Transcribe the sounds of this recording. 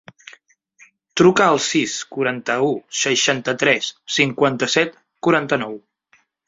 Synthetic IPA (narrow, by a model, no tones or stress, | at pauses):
t̪ɾukəːlˠsiskuɾant̪əusəʃant̪ət̪ɾɛsːiŋkwant̪əsɛt̪ | kuɾant̪ənɔw